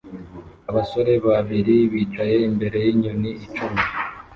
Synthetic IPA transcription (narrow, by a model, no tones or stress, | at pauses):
aβaso̞ɾe̞βaβiɾiβiːt͡ʃaje̞imbe̞ɾe̞jiɲuniːt͡ʃumi